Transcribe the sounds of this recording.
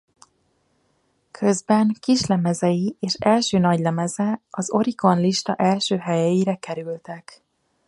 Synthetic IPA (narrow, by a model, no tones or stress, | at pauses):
kʰø̞zbɛŋkiʃlɛmɛzɛjieːʃɛlʃøːnɒɟlɛmɛzɛɒzo̞ɾiko̞nliʃt̪ɒʔɛlʃøːɦɛjɛjiɾɛkɛɾylt̪ɛk